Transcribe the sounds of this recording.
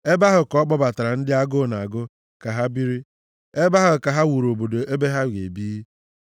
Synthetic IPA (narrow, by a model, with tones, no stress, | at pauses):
e˦ba˦ɦʊ˨kɔ˦k͡pɔ˦ba˨ta˨ɾa˨n̩˦dɪ˦a˦ɡo˦˨na˨ɡʊ˦ | ka˨ɦa˦bi˦ɾi˦ | e˦ba˦ɦʊ˨ka˨ɦa˦wu˨ɾo˨bo˨do˨e˦be˦ɦa˦wʷje˨biː˦